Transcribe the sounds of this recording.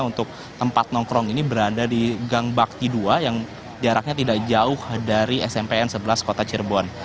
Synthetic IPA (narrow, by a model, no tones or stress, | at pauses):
unt̪ʊk̚ | t̪əmpat̪̚nɔŋkɾɔŋinibəɾadadiɡaŋbak̚t̪iduajaŋ | d͡ʒaɾak̚ɲat̪idak̚d͡ʒaʊhdaɾiɛsɛmpeɛnsəbəlaskot̪at͡ʃirbɔn